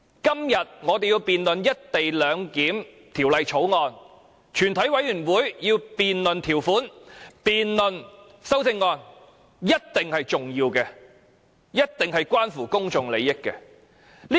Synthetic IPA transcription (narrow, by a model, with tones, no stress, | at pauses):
kɐ˥mjɐ˨t̚ŋɔː˨˧d̪e˨jiː˧wpiː˨nlɵ˨njɐ˥t̚t̪e˨jlœː˨˧ŋkiː˨˥m | t̪ʰiː˨˩wlɐ˨˧jt͡ʃʰo˨˥wŋɔː˨˧n | t͡ʃʰyː˨˩nt̪ʰɐ˨˥jwɐ˨˥jyː˨˩nwuː˨˥jjiː˧wpiː˨nlɵ˨nt̪ʰiː˨˩wfuː˨˥npiː˨nlɵ˨n | sɐ˥wsɪ˧ŋːɔː˧n | jɐ˥t̚t̪ɪ˨ŋhɐ˨jt͡ʃʊ˨ŋjiː˧wkɛː˧ | jɐ˥t̚t̪ɪ˨ŋɦɐ˨jkwaː˥nfuː˨˩kʊ˥ŋt͡sʊ˨ŋle˨˧jːɪ˥kːɛ̰ː˧ | li˥